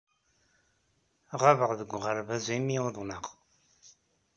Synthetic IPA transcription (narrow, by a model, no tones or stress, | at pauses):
ʁavəʁðəɡʷʁəɾvæzimiʊðˤnəʁ